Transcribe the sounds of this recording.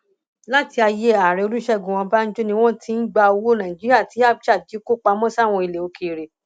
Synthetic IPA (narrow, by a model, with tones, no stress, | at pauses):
la˦ti˧a˧je˦a˨ɾɛ˧˨o˧ɾu˦ʃɛ˦˨ɡũ˨w̃ɔ̃˧ba˦n̩˦d͡ʒo˦nĩ˧w̃ɔ̃˦ti˨˦n̩˦ɡ͡ba˧o˧wo˦nã˨ĩ˨d͡ʒi˨˦ɾi˦a˦˨ti˨˦a˦˨bʃa˦˨d͡ʒi˨˦ko˦k͡pa˧mɔ̃˦sa˦˨w̃ɔ̃˧i˧˨le˨o˨˧ke˧˨ɾe˨